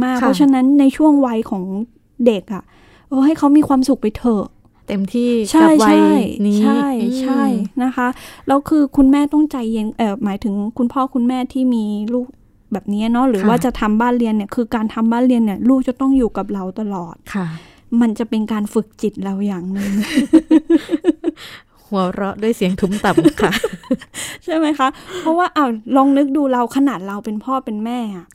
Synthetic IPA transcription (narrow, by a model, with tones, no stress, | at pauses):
maː˥˩k̚ʰɔ˦˥t͡ɕʰa˧na˦˥nːa˧jt͡ɕʰu˥˩əŋwa˧jkʰɔː˩˦ŋ | de˨˩k̚ʔa˨˩ | ʔɤː˧ha˥˩jkʰa˦˥wmiː˧kwaː˧msu˨˩k̚pa˧jt̪ʰɤː˨˩k̚ | t̪e˧mt̪ʰiː˥˩t͡ɕʰa˦˥˩jwt͡ɕʰjn˦t͡ɕʰa˥˩jt͡ɕʰa˥˩jna˦˥kʰa˦˥ʔlɛː˦˥wkʰɯː˧kʰu˧nmɛː˥˩t̪ɔ˥˩ŋt͡ɕa˧jːe˧nʔɤː˨˧˩maː˩˦jt̪ʰɯ˩˦ŋkʰu˧npʰɔː˥˩kʰu˧nmɛː˥˩t̪ʰiː˥˩miː˧luː˥˩k̚ | bɛː˨˩p̚ni˦˥ɐnɔ˦˥ɾɯː˩˦waː˥˩t͡ɕa˨˩ʔt̪ʰa˧mbaː˥˩nɾi˧ənːi˥˩ɐkʰɯː˧kaː˧nt̪ʰa˧mbaː˥˩nɾi˧ənːi˥˩ɐluː˥˩k̚t͡ɕa˨˩t̪ɔ˥˩ŋjuː˨˩ka˨˩p̬̚ɾa˧wt̪a˧lɔː˨˩t̪̚kʰa˧˩ | ma˧nt͡ɕa˨˩pe˧nkaː˧nfɯ˨˩k̚t͡ɕi˨˩t̪̚ɾa˧wjaː˨˩ŋnɯ˧ŋ | hu˩˦ɐɾɔ˦˥ʔdu˥˩əjsi˨˩˦əŋt̪ʰuː˨˦˥mt̪a˨˩kʰa˧˩ | t͡ɕʰa˥˩jma˦˥jkʰa˦˥ʔpʰɔ˦˥waː˥˩ʔaː˧˩wlɔː˧ŋnɯ˦˥k̚duː˧ɾa˧wkʰa˧naː˨˩t̪̚ɾa˧wpe˧npʰɔː˥˩pe˧nmɛː˥˩ʔa˨˩ʔ